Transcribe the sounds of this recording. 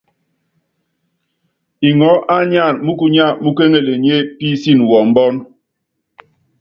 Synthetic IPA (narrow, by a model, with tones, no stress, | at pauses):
i˨ŋɔ˨˦ʔa˦ɲa˦˨nmu˦ku˦ɲa˦˨mu˦ke˦ŋe˦˨le˨ɲe˦pi˦si˦˨n˨wɔ˨m̩˦bɔ˦n